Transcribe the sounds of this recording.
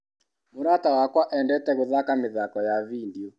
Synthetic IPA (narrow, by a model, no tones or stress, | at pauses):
muɾatawakwaʔɛndɛtɛɣuðakamɪðakɔjavindiɔ